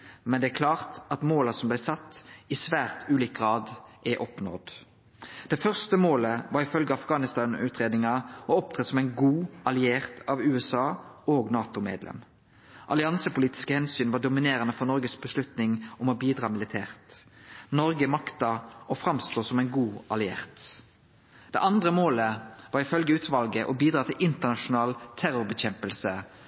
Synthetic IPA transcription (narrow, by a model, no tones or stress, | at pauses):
mɛnd̪ɛækʰlɑːʁt̪ɑt̪moːlɑsɔmblæɪsɑt̪ːɪsʋæːʁt̪ʉːliːk̚ɡʁɑːd̪ʔɛʔɔpnɔ̰d̪ | d̪̥ɛfœʁst̪əmoːləʋɑːɾʁɪfœlɡəɑfɡɑːnɪst̪ɑːnʉ̰ːt̪ɾeːd̪nɪŋɑɔɔp̚t̪ʰʁɛt̪sɔmæɪnɡuːɑlɪeːʁt̪ʰɑʋʉːɛsɑːoːɡnɑːt̪ʊmḛːd̪lɛ̰m | ʔɑlɪɑnsəpʊliːt̪ɪ̥skəhɛnsyːnʋɑːɖʊmɪneːɾʁənəfɔnɔʁɡəsbəslʉt̪nɪŋɔmɔbiːd̪ʁɑːmɪlɪt̪ʰæːʁt̪nɔʁɡəmɑkt̪ɑɔfʁɑmst̪oːsɔmæɪnɡuːɑlɪḛːʁt̪ | d̪̥ɛ̰ʔɑnd̪ʁəmoːləʋɑːʁɪfœlɡəʉːt̪ʰʋɑlɡəʔɔbiːd̪ɾɑːt̪ʰɪlʔɪnt̪ənɑʂʊnɑːlt̪ʰæɾʊʁbəçɛmpəlsə